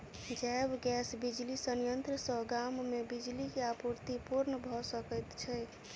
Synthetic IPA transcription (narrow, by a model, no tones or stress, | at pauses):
d͡ʒabɡɛsbid͡ʒlisənjənt̪ɾəsə̃ɡamːebid͡ʒlikeapuɾt̪ipuɾnəbʱɔsəkət̪t͡ʃʰɛ